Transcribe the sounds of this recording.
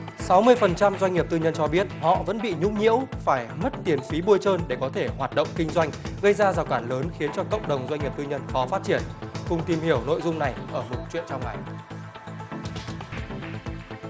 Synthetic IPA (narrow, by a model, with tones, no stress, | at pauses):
sa˨˦wmɨ˧əjfə˨˩nt͡ɕa˧mzwa˧ɲŋ̟ŋi˨˩əp̚t̪ɨ˧ɲə˧nt͡ɕɔ˧ɓi˦˥ət̚hɔ̰˧˨və̰˧˥nɓḭ˧˨ɲʊ̰˧˥ŋ͡mɲḭ˧˥əwfaː˧˩jmə˦˥t̚t̪i˨˩ənfi˨˦ɓu˧əjt͡ɕəː˧nɗe˧˩kɔ˨˦t̪ʰe˧˩hwaː˨˩t̚ɗə̰˧˨wŋ͡mkï˧ŋ̟zwa˧jŋ̟ɣə˧jzaː˧zaː˨˩wkaː˧˩ləː˨˦nxi˨˦ənt͡ɕɔ˧kə̰˧˨wŋ͡mɗə˨˩wŋ͡mzwa˧ɲŋi˨˩p̚t̪ːɲə˧nfɔ˨˦faː˦˥t̚t͡ɕi˧˩ənkʊ˧ŋ͡mt̪i˨˩mhi˧˩əwno̰˧˨jzʊ˧ŋ͡mna˨˩jʔəː˧˩mo˨˩t̚t͡ɕwḭ˧˨ənt͡ɕɔ˧wŋ͡mŋa˨˩j